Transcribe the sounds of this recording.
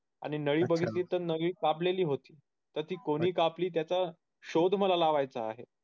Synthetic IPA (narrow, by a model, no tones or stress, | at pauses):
a̰ɽ̃inəɭiːbəɡʱit̪iːt̪əɾnəɡɭiːkapleliːɦot̪iː | t̪əɾt̪iːkoɽ̃iːkapliːt̪̬jat͡sa | ɕod̪ʱməlalaʋajt͡saːɦe